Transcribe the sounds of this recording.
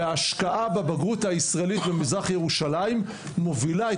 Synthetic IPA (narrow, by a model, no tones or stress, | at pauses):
eaʃkaʔababaɡuthaisʁaelitbemizʁaχjeʁuʃalaimː | ovilae